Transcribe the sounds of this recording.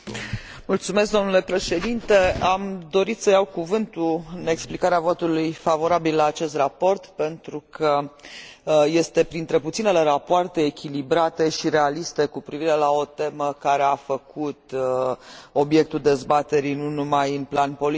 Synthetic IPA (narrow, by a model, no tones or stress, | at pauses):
mult̪sume̞s̬k̚d̪o̞mnule̞pɾe̞ʃe̞d̪int̪e̞amd̪o̞ɾit̪səjawkuvɨnt̪uɨne̞ksplikaɾeavo̞t̪ulujfavo̞ɾabilːlaːt͡ʃe̞st̪rapo̞rt̪pe̞nt̪ɾukʰə | je̞st̪e̞pɾint̪ɾe̞put̪sinele̞ɾapoart̪e̞ːkʲilibɾat̪e̞ʃiɾe̞alist̪e̞kupɾiviɾe̞lao̞t̪e̞məkaɾe̞afəkut̪ | o̞bje̞k̚t̪uld̪e̞zbat̪e̞ɾijnunumajɨnplanpo̞li